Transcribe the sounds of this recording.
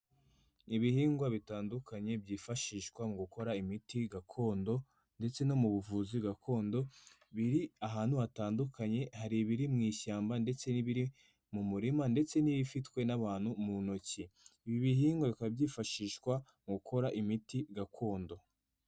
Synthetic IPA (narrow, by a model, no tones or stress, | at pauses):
iβihiːŋɡwaβitaːndukaɲe̞bɟiːfaʃiːʃkwamɡuko̞ɾaimitiɡakʰo̞ːndo̞ | nde̞t͡se̞no̞muβuvuziβɡakʰo̞ːndo̞ | βiɾiaɦaːn̥huβataːndukaɲe̞haɾiβiɾimŋiːçaːmbande̞t͡se̞niβiɾi | mumuɾimande̞t͡se̞niβifitkwe̞naβaːn̥humunociːβiβiɦiːŋɡoβikabɟiːfaʃiːʃkwa | ŋɡukʰo̞ɾaʔimitiɡakʰo̞ːndo̞